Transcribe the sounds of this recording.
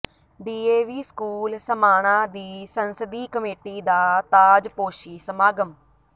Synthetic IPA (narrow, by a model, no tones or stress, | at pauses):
ɖiːeːʋiːskuːlsəmaːɽ̃ãːd̪iːsənsəd̪iːkəmeːʈiːd̪aːt̪aːd͡ʒpoːʃiːsəmaːɡəm